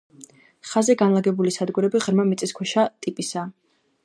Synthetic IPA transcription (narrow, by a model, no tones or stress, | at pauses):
χazɛɡanlˠaɡɛbulisad̪ɡuɾɛbiʁɾmamit̪sʼiskʰwɛʃat̪ʼipʼisa